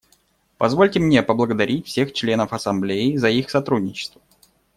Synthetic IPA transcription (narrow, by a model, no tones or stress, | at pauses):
pɐzvo̞lʲtʲɪmnʲepəblˠəɡəd̪ɐɾʲitʲfsʲe̞xt͡ɕlʲe̞nəfɐsɐmblʲeɪzɐixsɐt̪ɾudʲnʲɪt͡ɕɪ̥st̪və